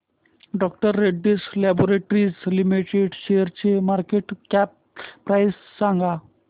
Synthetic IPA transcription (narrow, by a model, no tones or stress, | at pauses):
ɖɔk̚ʈəɾːeɖːislɛboɾeʈɾid͡zlimiʈeɖɕejəɾt͡ɕemaɾkeʈkɛp̚ː | ɾajsːãŋɡa